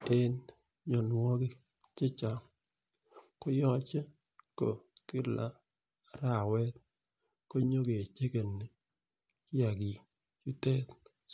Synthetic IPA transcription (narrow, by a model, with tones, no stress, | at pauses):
e˦n | ɲo˨nwɔ˦ɡɪ˦ | t͡ʃɪ˦t͡ʃa˨ | ko˦jɔ˦t͡ʃe˦ | ko̰˨kɪ˦lʔa˦ | ɾa˨wɛ˦t̪̚ | ko˦ɲo˦ɡe˨t͡ʃe˦ke˨nːɪ˨ | kɪ˦a˨ɡi˨ | t͡ʃu˦tɛ˦t